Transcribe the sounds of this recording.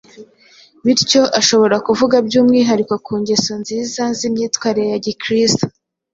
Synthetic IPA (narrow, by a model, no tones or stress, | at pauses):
miɾco̞ʔaʃo̞βo̞ɾakuvuɡab̚ɟuːmŋiɦaɾikokʰuːɲɟe̞so̞nziːzazimɲiːtwaːɾiɾejaɟikɾisto̥